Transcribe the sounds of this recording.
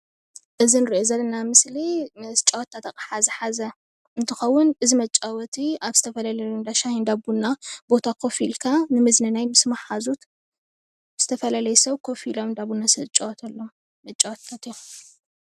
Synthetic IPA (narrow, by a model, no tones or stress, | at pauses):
ʔɨzinɨɾiʔozɐlɐnamɨslit͡ʃʼɐwɔt̪ːʰat̪akʼħazɐħazɐ | ɨnt̪ʰɨxɐwːʊnʔɨzimɐt͡ʃʼːawɔt̪ʰiaβzɨt̪ʰɐfɐlalɐjnd̪aʃahind̪abunːabo̞t̪ʰakʰo̞filkʰanɨmɨznɐnajmɨsmaħazut̪ | z̥ɨt̪ʰɐfɐlalɐjɛsɐwkʰofilomɨnd̪aβunːasɐt͡ʃʼɐwɔt̪ʰɐlːom | mɐt͡ʃʼːɐwɔt̪t̪ʰat̪ijo